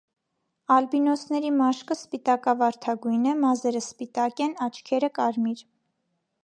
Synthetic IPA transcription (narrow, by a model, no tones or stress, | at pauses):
ɑlbinɔsnɛɾimɑʃkəspit̪ɑkɑvɑɾt̪ʰɑɡujnɛmɑzɛɾəspit̪ɑkɛnɑt͡ʃʰkʰɛɾəkɑɾmiɾ